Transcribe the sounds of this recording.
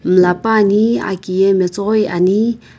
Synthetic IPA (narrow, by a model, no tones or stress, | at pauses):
məlapania̰kijemet͡soχweʔani